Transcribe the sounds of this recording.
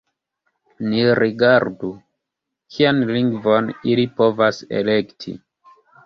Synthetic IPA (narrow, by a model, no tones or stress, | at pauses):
niɾiɡaɾdu | kʰianliŋɡvonilipo̞vasḛlektʰḭ